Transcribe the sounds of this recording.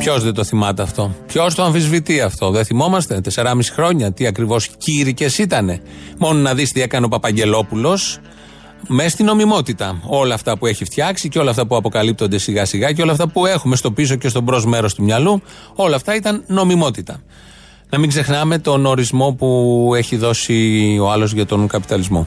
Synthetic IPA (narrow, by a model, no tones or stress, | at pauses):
pçosðet̪o̞θimɐt̪ɐːft̪o̞pço̞st̪oɐɱfizvit̪iɐft̪o̞ðeθimo̞mɐst̪et̪e̞se̞ɾɐmisi̥xɾo̞ɲɐt̪iɐkɾivo̞sciɾice̞sit̪ɐne̞mo̞nonɐðist̪ie̞kɐneopɐpɐɲɟe̞lo̞pulo̞s | me̞st̪ino̞mimo̞t̪it̪ɐo̞lɐːft̪ɐpue̞çift̪çɐksiceo̞lɐft̪ɐpuɐpo̞kɐlip̚t̪o̞nd̪e̞siɣɐsiɣɐceo̞lɐft̪ɐpue̞xume̞st̪o̞pis̬o̞ce̞st̪obɾo̞zme̞ɾo̞st̪umɲɐlu | o̞lɐːft̪ɐit̪ɐnːo̞mimo̞t̪it̪ɐ | nɐmiŋɡze̞xnɐme̞t̪o̞no̞ɾizmo̞pue̞çiðo̞sio̞ɐlo̞zʝɐt̪o̞ŋkɐpit̪ɐlizmo̞̰